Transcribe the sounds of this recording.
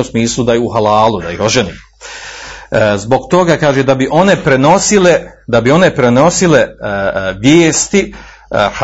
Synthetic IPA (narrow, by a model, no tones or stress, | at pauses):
usmiːslˠud̪ajuɦalaːlˠud̪aiho̞ʒenḭːm | zbo̞ɡt̪o̞ɡakaːʒed̪abiʔo̞ne̞pɾeno̞sile̞d̪abio̞ne̞pɾe̞no̞sile̞ | ʋjeːst̪i | h